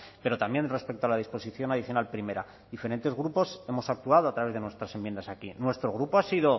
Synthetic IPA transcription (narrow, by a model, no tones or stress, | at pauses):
pe̞ɾo̞t̪ambje̞nre̞spe̞k̚t̪oalaðispo̞siθjo̞naðiθjo̞nalpɾime̞ɾa̰ | ðife̞ɾe̞nt̪eɣɾupo̞se̞mo̞sak̚t̪uað̞oat̪ɾaβe̞zðe̞nwe̞st̪ɾasemje̞nd̪asakinwe̞st̪ɾo̞ɣɾupo̞asiðo̞